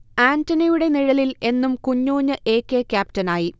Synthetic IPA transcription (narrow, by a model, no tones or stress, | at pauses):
aːntɐnijuɽe̞niɻɐlile̞nːumkuɲːoːɲːɐʔe̞ːkːe̞kʲaːp̚tɐnaːji